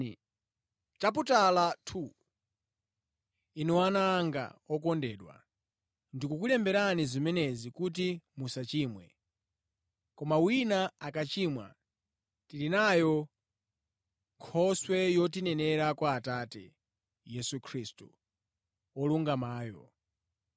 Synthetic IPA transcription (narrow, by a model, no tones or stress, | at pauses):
t͡ʃap̬utalatʰu | iniwanaːŋɡa̰ɔkɔndɛːɗwa̰ | ndikukulɛmbɛɾanizimɛnɛzikut̬imusat͡ʃiːmwɛ̰ | kɔmawinaakat͡ʃimwa̰ | tilinajɔ | ŋkʰɔswɛjɔtinɛnɛɾakwaːtatɛ̰ | jɛsukʰɾiːstṵ | ɔluŋɡamaːjɔ̰